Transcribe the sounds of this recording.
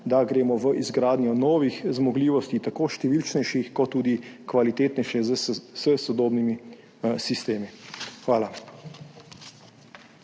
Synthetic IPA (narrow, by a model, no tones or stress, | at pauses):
d̪aɡɾeːmɔʋəʔizɡɾaːd̪nʲjɔnɔːʋixzmɔɡliːʋɔst̪it̪akoːʃt̪ɛʋilt͡ʃnɛjʃixkɔt̪ːuːd̪ikʋalit̪eːt̪nɛjʃɛzsəsɔd̪oːbnimi | sist̪eːmixʋaːla